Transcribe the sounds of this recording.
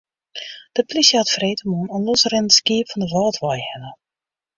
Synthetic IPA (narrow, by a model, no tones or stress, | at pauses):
d̥əplisjəatfreːtəmunɔnlɔsərɪnəskiəpfɔndəʋɔːtʰʋɔjhɛnə